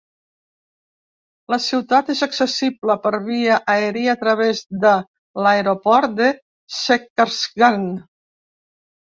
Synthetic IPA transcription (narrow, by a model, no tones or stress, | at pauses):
ləsiwt̪at̪ezəksəsibləpəɾβiəʔaeɾiat̪ɾəβ̞ezd̪ə | laeɾopɔɾt̪̚d̪e | sekaɾsɡan